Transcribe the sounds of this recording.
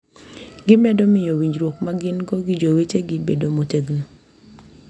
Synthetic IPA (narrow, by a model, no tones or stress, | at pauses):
ɡɪmɛdɔmɪjowiɲd͡ʒɾwokmaɡɪnɡɔɡɪd͡ʒowet͡ʃeɡɪbedomoteɡno